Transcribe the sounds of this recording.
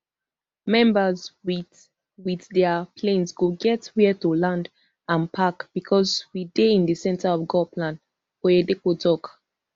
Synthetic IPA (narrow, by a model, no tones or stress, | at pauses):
mɛ̃mbəz | wiθdɛəpʰlẽnsɡoɡɛtwɛtulãnd | ãnpʰakb̥ikʰɔzwideĩndisɛ̃ntaɔvɡɔpʰlãn | ɔɛdekotɔk